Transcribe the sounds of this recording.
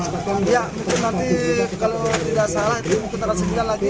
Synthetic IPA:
jaʔ | nant̪ikalot̪idaʔsalahit̪umukɪt̪aɾasəɡilanlaɡi

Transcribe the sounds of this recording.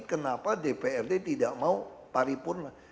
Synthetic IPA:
kənapadepeɛrdet̪idaʔmaupaɾipʊrna

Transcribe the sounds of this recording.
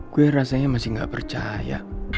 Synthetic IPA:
ɡ̥uerasaɲamasɪhŋɡa̰ʔpərt͡ʃaja̰

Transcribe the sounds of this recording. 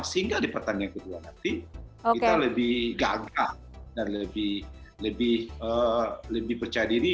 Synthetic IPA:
səɦiŋɡadipərt̪aniaŋkəduanant̪iokit̪aləbɪhɡaɡaʔ | danləbɪhləbɪhələbɪhpərt͡ʃajadiɾi

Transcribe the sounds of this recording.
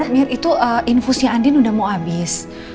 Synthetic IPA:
ahmiarit̪uʔəʔinfusiaandinudahmawabɪs

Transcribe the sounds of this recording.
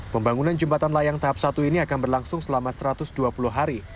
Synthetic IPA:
pəmbaŋunand͡ʒəmpat̪anlajaŋt̪aɦap̚sat̪uiniakanbərlaŋsʊŋsəlamasəɾat̪ʊsduapulʊhɦaɾi

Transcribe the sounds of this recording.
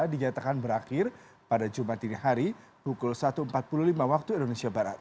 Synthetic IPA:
diɲat̪akanbəɾaxɪrpadad͡ʒumat̪inihaɾipukʊlsat̪uəmpat̪̚pululimawak̚t̪uindonesiabaɾa̰t̪̚

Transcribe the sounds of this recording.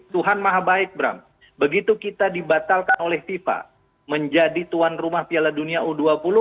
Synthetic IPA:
t̪uɦanmaɦabaɪk̚bɾa̰m | bəɡit̪ukit̪adibat̪alkanolɛhfifa̰ | məɲd͡ʒadit̪uanrumahpialaduniauduapulʊ

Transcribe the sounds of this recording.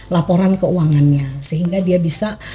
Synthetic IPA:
lapoɾankəuaŋanɲasəɦiŋɡadiabisa

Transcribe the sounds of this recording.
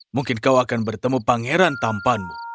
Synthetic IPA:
muŋkɪnkawakanbərt̪əmupaŋeɾant̪ampanu

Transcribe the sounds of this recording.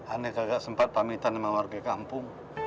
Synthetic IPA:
anekaɡaʔsəmpat̪̚pamit̪anəmawarɡakampʊŋ

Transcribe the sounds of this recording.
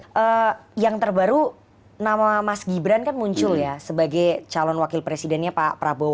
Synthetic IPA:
ʔəjaŋt̪ərbaɾu | namamasɡibɾankanmuɲt͡ʃʊljasəbaɡajt͡ʃalɔnwakɪlpɾesidɛnɲapapɾabo

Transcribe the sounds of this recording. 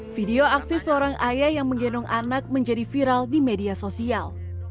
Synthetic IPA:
fideoaksisəoɾaŋʔajajaŋməŋɡenuŋanak̚məɲd͡ʒadifiɾaldimediasosial

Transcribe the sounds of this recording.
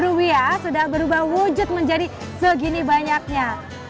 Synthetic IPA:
ɾuwiasudahbəɾubahwud͡ʒʊt̪̚məɲd͡ʒadi | səɡinibaɲak̚ɲa

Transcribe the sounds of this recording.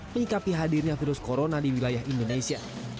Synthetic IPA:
məɲikapiɦadirɲafiɾʊskoɾonadiwilajaɦindonesia

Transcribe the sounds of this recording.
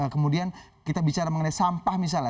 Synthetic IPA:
əkəmudiankit̪abit͡ʃaɾaməŋənajsampahmis̬al

